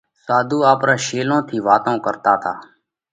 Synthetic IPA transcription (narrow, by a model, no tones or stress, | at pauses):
saːd̪ʱuːaːpɾaːʃeːlõːt̪ʰiːʋaːt̪õːkəɾt̪aːt̪ʰaː